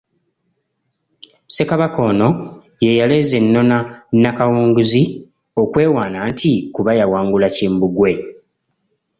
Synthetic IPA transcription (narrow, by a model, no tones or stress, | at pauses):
se̞kaβako̞no̞ | je̞jale̞ze̞nːo̞nanakawuːŋɡuzi | o̞kwe̞ːwaːnaːntikuβajawaːŋɡulaciːmbuɡwe̞